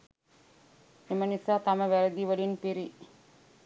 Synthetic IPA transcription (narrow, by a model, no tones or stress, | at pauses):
emɐnisaːt̪ɐmɐʋɐɾɐd̪iʋɐɭinpiɾi